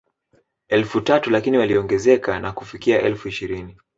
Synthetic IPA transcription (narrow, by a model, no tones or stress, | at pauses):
ɛlfutatulakiniwaliɔŋɡɛzɛkanakufikiaʔɛlfuiʃiɾini